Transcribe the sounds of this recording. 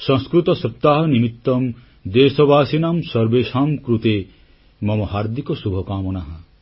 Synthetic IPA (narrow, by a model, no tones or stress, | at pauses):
sɔ̃ŋskɾut̪ɔsɔp̚t̪aɦɐnimit̪ːɔm | d̪eːsɔbaːsinaːmsɔɾbeːʃaːmkɾut̪e | mɔmɔɦaːɾd̪ʱikɔsubʱɔkaːmɔnaɦɐ